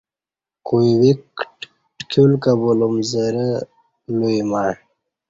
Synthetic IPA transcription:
kujwikʈ | ʈkʰulkabulumzəɾə | lujimaɳ

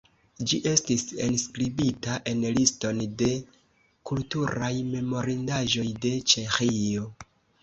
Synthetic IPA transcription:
d͡ʒiʔe̞stisenskɾibitaʔe̞nlisto̞nde̞ | kultuɾajme̞mo̞ɾindaʒo̞jde̞t͡ʃe̞xio̞

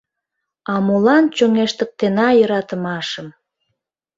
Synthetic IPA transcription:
ɑmulɑnt͡ɕoŋeʃt̪ə̆k̚t̪enɑjəɾɑt̪əmɑʃəm

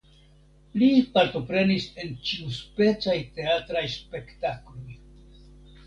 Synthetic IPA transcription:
lipaɾto̞pɾe̞nise̞nt͡ʃiuspe̞t͡sajte̞atɾajspe̞ktaklo̞j

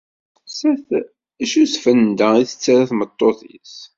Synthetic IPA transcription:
sæθ | ʃusfənd̪æiθə̥t͡sːaɾaθmət̪ˤːoθḭs

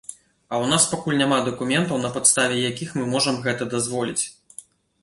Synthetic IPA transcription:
ɐwnaspakulʲnʲamad̪ɐkumʲɛnt̪ɐwnɐpat̪st̪avʲɛjakʲixmɨmɔʐɐmɣɛt̪ɐd̪azvɔlʲit͡sʲ

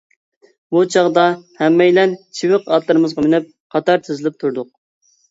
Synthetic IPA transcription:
but͡ʃʰɑʁd̪ɑhɛmːɛjlɛnt͡ʃʰiwɪqɑt̪lˠɨɾɨmɨzʁɑmɪnɪp̚ | qʰɑt̪ɑɾt̪ʰɪzɪlɪp̚t̪ʰuɾd̪ʊq̚

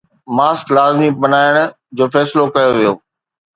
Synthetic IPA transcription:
maːsklaːzmibənaːɪɽ̃ | d͡ʑoːfɛːsɪlokɐjoʋijoː

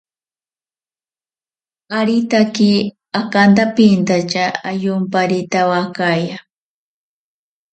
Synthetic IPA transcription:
aɾit̪aki | akant̪apint̪at͡ʃaajʊmpaɾit̪awakaja

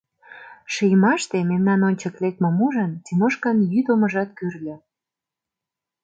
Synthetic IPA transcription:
ʃijmɑʃt̪ememnɑnonʲt͡ɕə̆klek̚t̪memuʒənt̪imoʃkɑnjyt̪oməʒɑt̪̚kyrlʲĕ

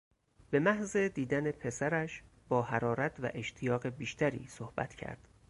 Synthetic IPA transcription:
be̞mæhze̞d̪iːd̪æne̞pʰe̞sæɾæʃ | b̥ɒːhæɾɒːɾæt̪ʰvæ̰ʔe̞ʃt̪ʰijɒːɣe̞biːʃt̪ʰæɾḭːsohbæ̰t̪ʰcʰæ̰ɾd̪̥

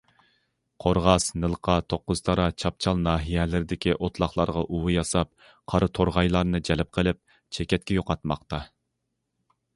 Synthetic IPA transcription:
qʰoɾʁɑsnɨlˠqʰɑt̪ʰoqːʊz̥t̪ʰɑɾɑt͡ʃʰɑp̚t͡ʃʰɑlˠnɑːɦijɛlɪɾɪd̪ɪkʲiʔot̪ʰlˠɑχlˠɑɾʁɑʔuwɨjɑsɑp̚ | qʰɑɾɨt̪ʰoɾʁɑjlˠɑɾnɨd͡ʒɛlɪp̚qʰəlˠɪp̚ | t͡ʃʰɛkʲɛt̪̚kʲɛjoqɑt̪mɑ̰qt̪ɑ

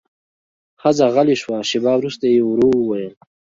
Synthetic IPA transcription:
hazaɣaliʃwaʃibaːwɾust̪ajeuɾowəwajəl

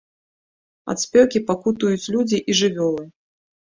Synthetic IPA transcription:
a̰t̪sʲpʲɔwkʲipakut̪ujut͡sʲlʲud͡zʲiʔiʐɨvʲɔlˠɨ

